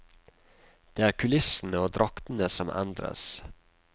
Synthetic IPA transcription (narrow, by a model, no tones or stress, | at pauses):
d̪̥eːæːɾkʰʉlɪsn̩əoːd̪ɾʔɑkt̪n̩əsɔmʔɛ̰nd̪ɾə̰s